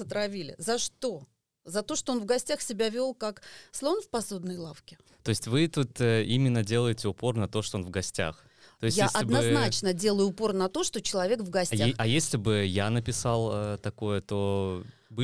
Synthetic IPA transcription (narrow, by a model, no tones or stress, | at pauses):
ət̪ɾɐvʲilʲɪ̰zɐʂt̪o̞ | zɐt̪o̞ʂt̪oonvɡɐsʲtʲaxsʲɪbʲavʲo̞lˠkakslˠovnfpɐsod̪nəjlˠafkʲɪ̥ | t̪o̞ɪsʲtʲvɨt̪ut̪əimʲɪnːədʲe̞lˠəjɪtʲɪʊpo̞rnɐt̪o̞ʂt̪oonvɡɐsʲtʲa̰x | t̪o̞ɪstjʲaesʲʔɐdʲɪnɐznat͡ɕnədʲe̞lˠəjʊːpo̞rnɐt̪o̞ʂt̪o̞t͡ɕɪlˠɐvʲe̞kvɡɐsʲaɐjesʲlʲɪbɨjanəpʲɪsalˠət̪ɐkojət̪o̞bɨ